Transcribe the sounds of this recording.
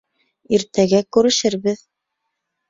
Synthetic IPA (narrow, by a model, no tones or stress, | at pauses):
iɾt̪æɡækʉɾɘ̆ʃɘɾβɘð